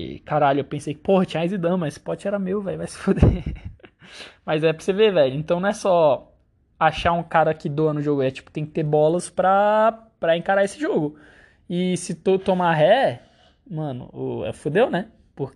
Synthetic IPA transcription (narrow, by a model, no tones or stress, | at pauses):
kaɾaʎʊewpẽsejkɪ̥pohɐt͡ʃĩɲajzid̪ɐ̃w̃mɐ̃spɔt͡ʃɪɛɾɐmewvɛʎʊvajsɪ̥fod̪e | mɐjzɛpɾɐsevevɛʎʊẽnt̪ɐ̃w̃nɐ̃ɛsɔ | aʃaũkaɾɐkɪd̪oɐnʊʒoɡʊɛt͡ʃi̥pʊ̥t̪ẽj̃kɪt̪eɾbɔlɐspɾɐpɾɐẽkaɾaesɪʒoɡʊ | ɪsɪt̪ot̪omaɦɛ | mɐ̃nʊ̰ʊ̰ɛ̰fud̪ewnɛ | pʊɾk